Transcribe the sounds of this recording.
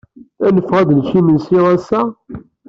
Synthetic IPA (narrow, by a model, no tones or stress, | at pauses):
ænəfːʁæd̪lʃimənsiʁæsæ